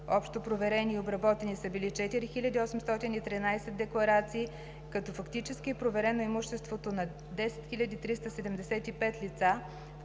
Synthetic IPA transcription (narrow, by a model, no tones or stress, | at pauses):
ɔpʃt̪opɾovɛɾɛniːobɾɐbɔt̪ɛnisəbilit͡ʃɛt̪iɾixilʲɐd̪iɔsɛmst̪ɔt̪init̪ɾinajsɛd̪ːɛklˠɐɾat̪siː | kɐt̪ɔfɐkt̪it͡ʃɛskiɛpɾovɛɾɛnoimuʃt̪ɛst̪vot̪onɐ | d̪ɛsɛt̪xilʲɐd̪iːt̪ɾist̪əsɛd̪ɛmd̪ɛsɛt̪ipɛt̪lit̪sa